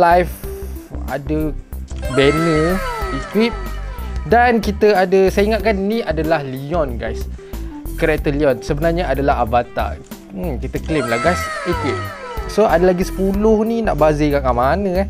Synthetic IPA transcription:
lajf | a̰də | bɛnəikwip̚dankit̪əadəsaiŋat̪̚kannĩadalahliɔnɡajs | kəɾɛk̚t̪əliɔnsəbənarɲaʔadalaɦabat̪a̰ | kit̪əklemlahɡajsikwip̚soadəlaɡisə̥pulʊhnina̰ʔbazəkaŋaʔmanə̃a

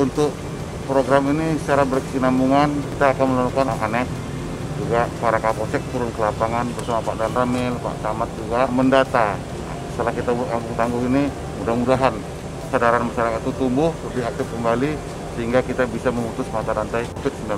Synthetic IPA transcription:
unt̪ʊk̚ | pɾoɡɾamini̥t͡ʃaɾabərkəsinambuŋankit̪aːkanməlalukanʔa̰nɛk̚ | d͡ʒuɡapaɾakaposɛk̚t̪uɾʊnkəlapaŋanbərsamapa̰ʔdanramɪlpa̰ʔt̪amat̪̚d͡ʒuɡaməndat̪a | st̪əlahkit̪abkambʊŋt̪aŋɡʊhini | mudahmudaɦan | sadaɾanməsaɾakit̪ut̪umbʊhtudiak̚t̪ɪfkəmbali | səɦiŋɡakit̪abisaməmut̪ʊsmant̪aɾant̪ajkafɪt̪̚sənda

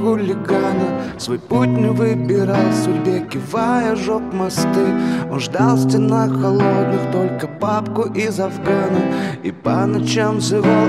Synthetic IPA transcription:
xʊlʲɪɡanəsvojputʲnʲɪvɨbʲɪɾalˠsʊdʲbʲekʲɪvajəʐokmɐst̪ɨonʐd̪alˠsʲtʲɪnaxxɐlˠo̞d̪nɨxt̪o̞lʲkəpapkʊʔɪzɐvɡanəɪpanɐt͡ɕamzɨva

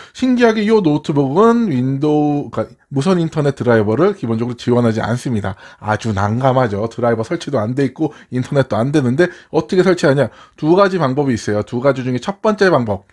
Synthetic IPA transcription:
ɕʰinɡiɦaɡejonotʰɯboɡɯnindok͈a | mus̬ʰʌnintʰʌne̞t̚t͈ɯɾaibʌɾɯɭkibond͡ʑʌɡɯɾot͡ɕiwʌnɦad͡ʑia̰ns͈ɯmɲidaad͡ʑunaŋɡamɦad͡ʑʌtɯɾaibʌsʰʌɭt͡ɕʰidoande̞it̚k͈o | intʰʌne̞t̚t͈oandwe̞nɯnde̞ʌt͈ʰʌkʰe̞sʰʌɭt͡ɕʰiɦaɲatuɡad͡ʑipaŋbʌbiːs͈ʌjotuɡad͡ʑid͡ʑuŋe̞t͡ɕʰʌp͈ʌnt͡ɕ͈epaŋbʌp̚

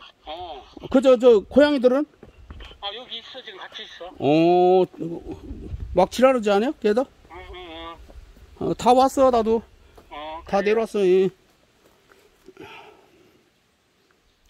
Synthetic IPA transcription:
kɯd͡ʑod͡ʑʌkʰojaŋidɯɾɯn | ʌ | mak̚t͡ɕʰiɾaɾɯd͡ʑianajokedʌ | ʌtawas͈ʌnado | t̪ane̞ɾoas͈ʌje

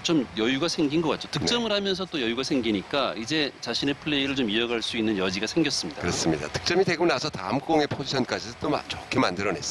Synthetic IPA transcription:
t͡ɕomjʌjuɡasʰe̞ŋɡinɡʌk͈at̚t͡ɕ͈otɯk̚t͡ɕ͈ʌmɯɾɦamjʌns̬ʰʌt͈ojʌjuɡasʰe̞ŋɡiɲik͈aid͡ʑe̞t͡ɕaɕʰine̞pʰɯɭːe̞iɾɯɭt͡ɕomiʌɡaɭs͈uinːɯnjʌd͡ʑiɡasʰe̞ŋɡjʌs͈ɯmɲid̥akɯɾʌs͈ɯmɲida̰tʰɯ̥k̚t͡ɕ͈ʌmiteɡunasʰʌtamk͈oŋepʰod͡ʑiɕʰʌnk͈ad͡ʑit͈oma̰t͡ɕʌkʰemandɯɾʌne̞ss

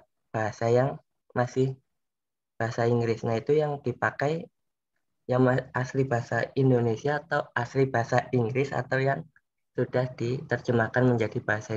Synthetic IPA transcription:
b̥aɦasajaŋ | masɪh | b̥aɦasaiŋɡɾɪsnait̪ujaŋd̥ipakaj | jaŋmaaslibaɦasaindonesiaːt̪awaslibaɦasaʔiŋɡɾɪsa̰t̪awjaŋ | sud̥ahd̥it̪ərt͡ʃəmakanməɲd͡ʒadib̥aɦasa

